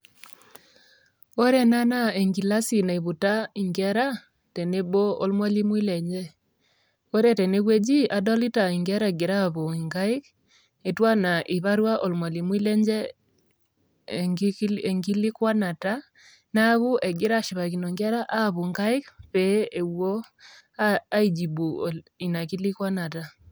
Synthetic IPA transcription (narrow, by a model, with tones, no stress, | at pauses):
o˦ɾe˦na˦nae˨ŋɡi˨la˦si˨na˨i˨βu˨tai˨ŋɡɛɾa˦ | te˨ne˦βo˦o˦lmwa˦li˦mwi˦lɛɲd͡ʒɛ | o˦ɾe˦te˨ne˦ɣwe˦d͡ʒi˦ʔa˨dɔ˦li˦ta˨iŋɡɛ˦ɾa˦e˨ɡi˨ɾaβo˨iŋɡa˦i˦k | e˨twa˦na˨ʔi˨βa˦ɾwa˦ʔo˨lmwa˨li˨mwi˦lɛ˦ɲd͡ʒɛ˦˨˦ | ŋɡi˦li˦kwa˦na˨ta˦ | na˦βu˦ʔe˨ɡɪ˦ɾa˦ʃi˨βa˨ki˨no˨ŋɡe˦ɾa˦ʔa˦βu˨ŋɡa˦i˦kpe˨˦e˨wo˦ | aa˦i˨d͡ʒi˨bu˨i˨na˨ki˦li˦kwa˦na˨ta˨